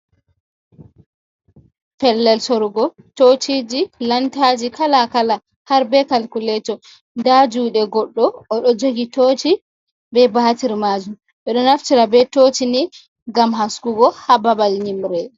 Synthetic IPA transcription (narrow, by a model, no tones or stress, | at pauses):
pɛlːɛlsoɾɡɔ | tot͡ʃid͡ʒilantad͡ʒikalakala | haɾbɛkalkulɛtɔ | ndad͡ʒuːɗɛɡɔɗːɔːɗɔd͡ʒoɡitoːt͡ʃi | bɛbahatiɾmad͡ʒum | ɓɛɗɔnaftiɾabɛtoːt͡ʃini | ɡamɦaskuɡɔhababalɲimɾɛ